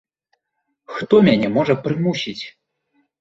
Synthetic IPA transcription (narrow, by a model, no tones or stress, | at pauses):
xt̪ɔmʲanʲɛmɔʐɐpɾɨmuɕʲit͡sʲ